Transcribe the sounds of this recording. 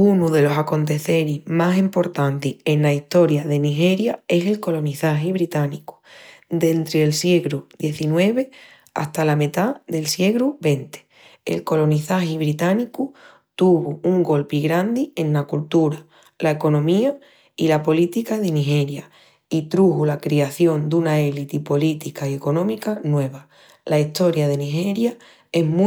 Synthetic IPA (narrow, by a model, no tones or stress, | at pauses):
unuðe̞lo̞sako̞nt̪̬e̞θe̞ɾimasimpo̞ɾt̪ant̪ie̞nlaiht̪o̞ɾjaðe̞niɦe̞ɾjae̞se̞lko̞lo̞niθaɦiβɾit̪aniku̥d̪e̞nt̪ɾeːlsje̞ɣɾuðje̞θinwe̞β̞e̞ | a̰st̪alamet̪aðe̞lsjeɣɾuβe̞nt̪e̥ | ḛlko̞lo̞niθahiβɾit̪aniku | t̪uβuuŋɡo̞lpiɣɾand̪ie̞nlakult̪uɾa | lae̞ko̞nõ̞mia | ilapo̞lit̪ikaðe̞niɦe̞ɾja | it̪ɾuhulakɾiaθjo̞nd̪unaelit̪ipo̞lit̪ikaie̞ko̞nõ̞mikanwe̞β̞a | laiht̪o̞ɾjaðe̞niɦe̞ɾja | e̞ɦm